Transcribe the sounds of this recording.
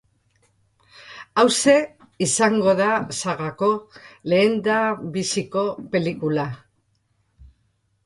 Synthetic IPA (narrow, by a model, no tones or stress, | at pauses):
awse̞ | isaŋɡo̞ðasaɣako̞le̞ːnd̪aβisiko̞pe̞likula